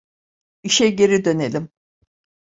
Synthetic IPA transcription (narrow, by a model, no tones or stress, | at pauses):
iʃɛɟe̞ɾid̪ø̞nelʲim